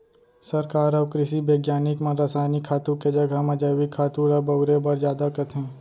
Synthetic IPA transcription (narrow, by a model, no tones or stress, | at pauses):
sɐɾkaːɾɔʋkɾɪʃibeːɡjaːnɪkmãnɾaːsaːnikʰːaːt̪ũked͡ʒɐɡʱamɐd͡ʒaːʋikʰːaːt̪uːɾabɐʊɾebɐɾzjaːd̪akɐt̪ɦɛ̃ː